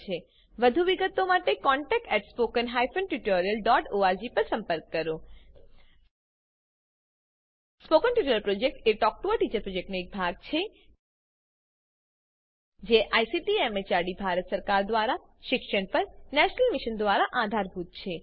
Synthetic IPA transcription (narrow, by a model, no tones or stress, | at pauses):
e | ʋəd̪ʱuʋiɡət̪omaʈekɔɳʈɛk̚ʈɛʈspokənɦajfʰənʈuʈoɾijəlɖɔʈoaɾd͡ʒipəɾsə̃mpəɾkːəɾo | spokənʈuʈoləlpɾod͡ʒek̚ʈeʈɔk̚ʈuəʈit͡ʃəɾpɾod͡ʒek̚ʈnoek̚bʱaɡ̚t͡ʃʰe | d͡ʒeʔajsiʈiemet͡ʃaɽibʱaɾət̪səɾkaɾd̪ʋaɾa | ʃɪkʃəɳpəɾnɛʃnəlmiʃənd̪ʋaɾaʔad̪ʱaɾbʱut̪̚t͡ʃʰe